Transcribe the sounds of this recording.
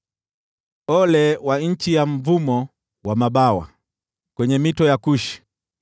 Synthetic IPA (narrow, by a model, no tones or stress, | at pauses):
ɔlɛwaɲ̩t͡ʃijam̩vumɔ | wamaɓawa̰ | kwɛɲɛmitɔjakuʃi̥